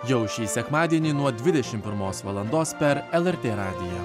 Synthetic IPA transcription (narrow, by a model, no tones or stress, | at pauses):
jɛʊʃʲiːsʲɛkmɑːd̪ʲiɛnʲiːnuɔd̪ʲʋʲɪd̪ʲɛʃʲɪmpʲɪɾmoːsʋɐlˠɐnd̪oːspʲɛɾɛlˠɛɾʲt̪ʲeːɾɑːd̪ʲɪjɛː